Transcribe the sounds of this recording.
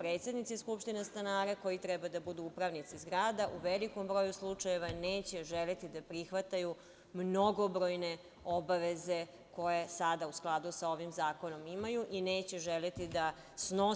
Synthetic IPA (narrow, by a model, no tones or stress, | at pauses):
pɾeːt̪sed̪nit̪iskupʃt̪inest̪anaːɾeko̞jit̪ɾɛbad̪abud̪uupɾaʋnit̪sizɡɾaːd̪aʔuʋeliko̞mbɾo̞juslˠut͡ʂaje̞ʋaneːt͡ɕe̞ʒelet̪id̪apɾixʋat̪aju | mno̞ɡo̞bɾojne̞ | obaʋe̞ze̞ | ko̞jesad̪ausklˠad̪usao̞ʋimzaːko̞no̞mimajuʔineːt͡ɕeʒelet̪id̪a | sno̞